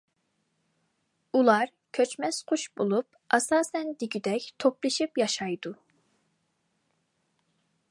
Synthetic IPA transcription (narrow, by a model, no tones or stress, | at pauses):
ulˠɑɾ | kʲʰøt͡ʃmɛsqʰoʃbolˠup̚ | ɑsɑːsɛnd̪iɡʲyd̪ɛkʲt̪ʰoplˠɨʃipjɑʃɑjd̪u